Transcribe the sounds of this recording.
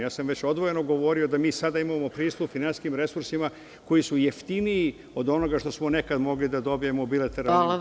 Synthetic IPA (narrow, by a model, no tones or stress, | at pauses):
jaːsamʋet͡ɕo̞d̪ʋo̞je̞no̞ɡo̞ʋo̞ɾiod̪amiːsad̪aimamo̞pɾiːst̪ufinanskimɾe̞suɾsima | ko̞jisujeft̪iniː | o̞d̪o̞no̞ɡaʃt̪o̞smo̞nekad̪mo̞ɡlid̪ad̪o̞bije̞mobilat̪eɾa